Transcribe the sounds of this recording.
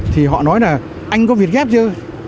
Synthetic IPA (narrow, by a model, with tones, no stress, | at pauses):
t̪ʰi˨˩ɦɔ̰˧˨nɔ˨˦jlaː˨˩ | ʔa˧jŋ̟kɔ˨˦vi˨˩ət̚ɣɛ˦˥p̚t͡ɕɨ˧